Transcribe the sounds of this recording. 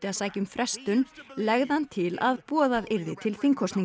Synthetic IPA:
t̪ɪasaːjcʏmfɾʔɛst̪ʏnlɛɣðɪhant̪ʰɪla̰ðpɔːðaðɪɾðɪt̪ʰɪlθiŋkʰɔsni

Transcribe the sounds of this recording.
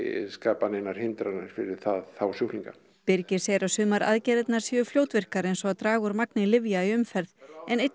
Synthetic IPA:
skaːpanɪnːaɾ̥hɪnt̪ɾana̰ɾ̥fɪɾɪɾ̥θaðθawsjuhliŋka | pɪɾcɪɾ̥sɛɾasʏːmaɾa̰ðcɛːðɪt̪naɾ̥sjʏfljoːwt̪vɪr̥kaɾejnsɔat̪ɾaːɣʏɾmaknɪlɪvjaiʏmfɛɾðɛnejt̪

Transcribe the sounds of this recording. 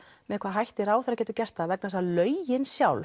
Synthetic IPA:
mɛɛkʰvaðɦajht̪ɪɾaːwθɛɾacɛt̪ʏcɛr̥t̪avɛk̚nasalœːɥjɪnsjawl

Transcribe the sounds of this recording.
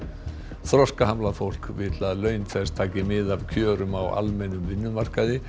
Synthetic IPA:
θɾɔskaɦamlaðfowl̥kvɪt̪laðlœːɥnt̪ʰɛst̪ʰaːcɪmɪðavcʰœːɾʏmawʔa̰lmɛnʏmvɪnːʏmar̥kaðɪ

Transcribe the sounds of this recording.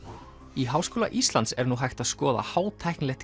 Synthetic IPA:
iɦaːwskoːla̰ʔist̪lant̪sɛɾnuɦajxt̪aðskɔːða̰haːwt̪ʰajhknlɛxt̪

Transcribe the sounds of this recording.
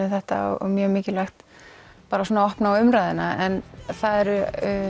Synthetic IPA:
ɪθɛht̪a̰ɔ̰ɔ̰mjœːmɪːcɪlaxt̪paːɾasoːnaɔhpnaʏmɾajðɪnaɛnθaðɛɾ

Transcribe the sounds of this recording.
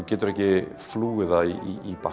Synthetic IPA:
ɡɪdrɛɡiflˠuːɪðaiiːba

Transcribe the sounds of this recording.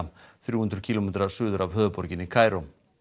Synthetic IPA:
θɾjuːhʏnd̪ɾʏcʰiːlomɛːt̪ɾasʏːðʏɾavɦœːðʏpɔɾcɪnːɪkʰaːjɾo

